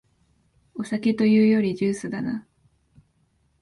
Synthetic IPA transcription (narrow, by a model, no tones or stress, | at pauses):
o̞sake̞t̪o̞jɯ̟ːjo̞ɾʲiʑɨːsɨd̪ana